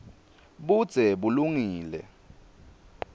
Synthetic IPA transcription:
ɓud̥z̥ʱɛɓuluŋiːlɛ̰

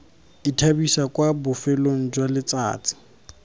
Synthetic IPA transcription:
itʰabisakwabʊfɛloŋ̩d͡ʒwalɪt͡sa̰ːt͡sʼɪ̥

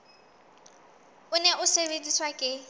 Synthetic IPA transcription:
ʊnɛʔʊsebent͡sʼiswakʼɪ

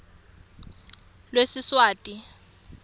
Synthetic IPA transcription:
lwesɪswaːtʼi

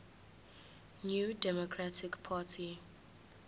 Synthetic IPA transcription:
njudɛmɔkʰɹatɪkpʰaːtʰi

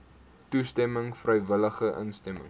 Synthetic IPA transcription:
tustɛməŋfrəjvələχəʔə̰nstɛmə̰ŋ

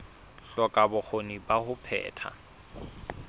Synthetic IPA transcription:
ɬɔkʼabʊk͡xʰonibahʊpʰɛ̰ːtʰa̰

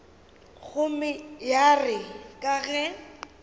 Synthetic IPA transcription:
ɣʰʊmɪjarɪkʼaɣɛ

